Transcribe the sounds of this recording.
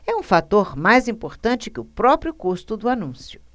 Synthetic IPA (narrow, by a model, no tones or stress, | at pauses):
ɛũfat̪oɾmajzĩpoɾt̪ɐ̃nt͡ʃɪkɪʊpɾɔpɾjʊkust̪ʊd̪ʊanũsjʊ